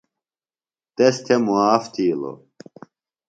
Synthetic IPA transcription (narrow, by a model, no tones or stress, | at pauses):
t̪est̪ʰemuaːft̪ʰiːlo̰